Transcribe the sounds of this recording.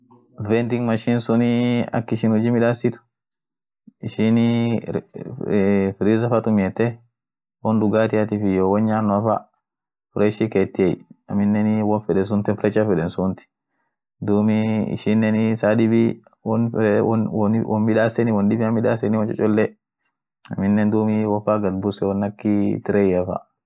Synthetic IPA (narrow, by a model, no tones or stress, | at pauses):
vɛnt̪ɪŋmɐʃinsʊniɐ̰kːɪʃɪnhʊd͡ʒiːmɪᶑaːsːɪt̪ʊ̥ | ɪʃɪni | fɪɾizɐfɐt̪ʊmɪɛt̪ːɛ | wɔnd̪ʊɡaːt̪ɪɐt̪ɪfɪjowɐɲɲaːnːɔɐfɐ | fɾɛʃikeːt̪ːɪɛjɐ̰mɪnːɛnɪwɐnfɛᶑɛns̬ʊnt̪ɛnfɾɛt͡ʃːɐfɛᶑɛnsʊnt̪ɪ̥ | d̪uːmiɪ̰ʃɪnːɛnɪsaːd̪ɪbi | wn | wʔɔ̰mmɪᶑaːsɛnɪwɔnɗɪbɪɐmɪᶑa̰ːsɛnɪwɐnt͡ʃʼɔ̰t͡ʃʼɔlːɛ | ɐmɪnːɛnd̪uːmɪwɐfaːɡɐd̪̚bʊsɛwɔnːɐkːɪt̪ɪɾɛjɐfɐ̰